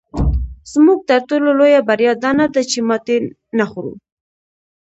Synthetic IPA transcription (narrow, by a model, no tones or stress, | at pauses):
z̥muɡ̚t̪aɾt̪ololojabaɾjɑd̪ɑnad̪at͡ʃemɑt̪e | naxɾṵ